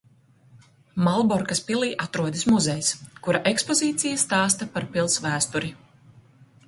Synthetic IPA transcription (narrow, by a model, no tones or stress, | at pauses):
malˠbɔɾkaspilˠiːʔat̪ɾuɔd̪ismuzɛjskuɾaʔekspɔziːt̪sijast̪ɑːst̪ɐpaɾpilˠsvæːst̪uɾi